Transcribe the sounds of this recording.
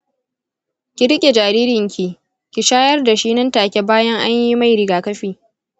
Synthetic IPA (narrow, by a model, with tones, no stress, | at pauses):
kʲɪ˨ɾɪ˦kʲʼe˨d͡ʒaː˨ɾiː˦ɾɪ˨ŋkʲʰi˨ | kʲi˨ʃaː˦jɐ˦rda˨ʃiː˦nɐ˦ntaː˨kʲe˨baː˦jɐ˦ŋʔa˦ɲji˦ma˦jɾɪ˨ɡaː˨kɐ˦ɸiː˨